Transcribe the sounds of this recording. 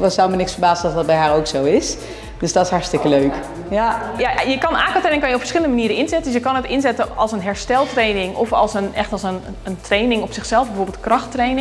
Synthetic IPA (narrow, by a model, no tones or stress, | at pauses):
ʋɔsawmənɪksfərbaːzəndɔtdɔt̚bɛjɦaːɾoːksowɪs | d̥øsdɔtɪshɑrstɪkəløɥk | jajajəkɑnʔaːkəltrenɪŋkɑnjəɔpfə̥rsχɪlˠəndəmaniːɾənɪnzɛtəndsjəkɑnətɪnzɛtəɑlˠsənɦɛɹstɛlˠtreːnɪŋʔɔfɑ̰lˠsənɛxtɑlˠsən | əntreːnɪŋɔpsɪxsɛlˠfbəfoːrbɪlˠtkrɑxtreːnɪ